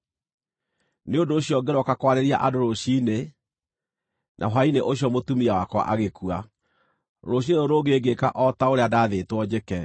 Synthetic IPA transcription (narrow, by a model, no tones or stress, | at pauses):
neondoːɕiɔɡeɾɔkakwaɾeɾiaʔadoɾoɕine | nʔa̰ɦaineʔoɕjɔmotumiawakwa̰ʔaɣekua | ɾoɕ̬ieɾoɾoɡeeɡeka̰ʔɔtaoɾeadaːðeːtwɔd͡ʑekɛ